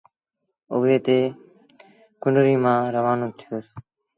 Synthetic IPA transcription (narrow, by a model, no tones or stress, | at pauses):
oʋeːt̪eː | kʊɳɾiːmãːɾəʋaːnõːt̪ʰɪjoːs